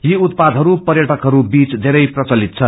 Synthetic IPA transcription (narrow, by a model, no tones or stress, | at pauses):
jiut̪pad̪ʱɦʌɾupʌrjʌʈʰʌkɦʌɾubit͡sd̪ʱeɾʌjprʌt͡sʌlit̪̚t͡sʰʌ